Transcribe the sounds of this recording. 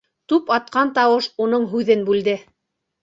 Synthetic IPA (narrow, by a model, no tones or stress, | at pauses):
t̪ʉpɑt̪̚qɑnt̪ɑwɤʃunɤɴɦʉðɘnbʉld̪ɘ